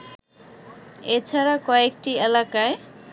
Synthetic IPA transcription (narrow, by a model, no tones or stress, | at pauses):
et͡ɕʰaɾakɔekʈielakae